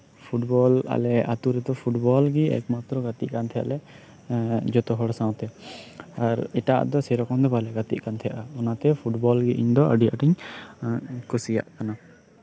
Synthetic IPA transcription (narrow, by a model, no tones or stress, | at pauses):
pʰuʈbɔla̰lɛat̪uɾɛd̪ɔpʰuʈbɔlɡiɛ̰kmat̪ɾɔɡat̪iʔkant̪ʰɛja̰ʔlɛ | d͡ʒɔt̪ɔɦɔɽsãw̃t̪ɛ | aɾɛʈaʔd̪ɔsɛɾɔkɔnd̪ɛbalɛɡat̪ḭʔ̚kant̪ʰɛjaʔaɔnat̪ɛpʰuʈbɔlɡiʔiɲd̪ɔʔəɖiaʔaʈiɲ | kusija̰ʔkana